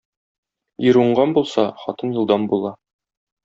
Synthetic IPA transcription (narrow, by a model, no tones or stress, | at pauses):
jĭɾuɴɢɑnbulˠsɑχɒ̰t̪ɤnjŭlˠd̪ɑmbulˠɑ